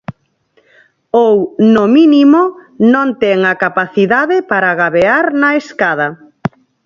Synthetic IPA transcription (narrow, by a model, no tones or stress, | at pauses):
ownominimonõnt̪ɛŋakapaθiðaðɪpaɾaɣaβeaɾnaeskað̞ɐ